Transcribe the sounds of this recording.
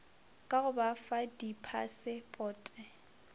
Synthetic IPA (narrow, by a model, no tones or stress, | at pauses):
kʼaɣʊbafadipʰa̰sɪpʼɔːtʼɛ